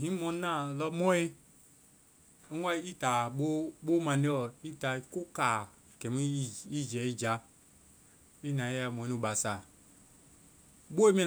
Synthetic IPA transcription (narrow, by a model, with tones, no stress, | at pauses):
ɦĩ˦mo˨˦na˦lɔ˦mɔ˦i˦ | a˦i˦ta˨ɓo˦ɓo˦ma˨ne˦ɔ˨i˦ta˨ko˦ka˨ | ke˨mi˦i˦d͡ʒɛ˨i˦d͡ʒa˨ | i˦na˨i˦ja˨mo˨˦u˨ba˨sa˨ | bo˦i˦mi˦